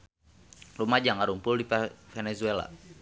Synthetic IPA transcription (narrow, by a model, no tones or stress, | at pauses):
rumad͡ʒaŋaɾumpuldifɛnɛzuɛla̰